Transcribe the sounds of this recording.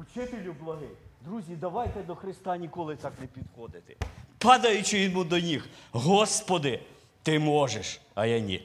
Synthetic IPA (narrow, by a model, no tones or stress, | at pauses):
ut͡ʃɪt̪elʲʊblˠɐɦɪd̪ɾuzʲid̪ɐʋɑjt̪ɛd̪ɔxɾɪst̪ɑnʲikɔlˠɪt̪ɑknɛpʲid̪xɔd̪ɪt̪ɪ̥pɑd̪ɐjʊt͡ʃɪimud̪ɔnʲixɦɔspɔd̪ɪ | t̪ɪmɔʒeʃɐjɐnʲḭ